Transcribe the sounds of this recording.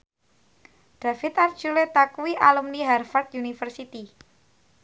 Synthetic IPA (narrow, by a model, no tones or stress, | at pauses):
ɖ̪̥a̤fɪt̪art͡ʃulet̪akuwiʔalumniɦarfart̪junifərsit̪i